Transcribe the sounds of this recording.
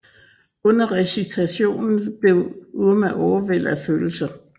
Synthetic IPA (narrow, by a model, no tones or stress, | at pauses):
ɔ̽n̰ɐʁɛsit͡sʰæɕo̝̰ːnn̩b̥le̝ʊuðˠɐmæʔɒʊɐʋel̰æføːl̩sɐ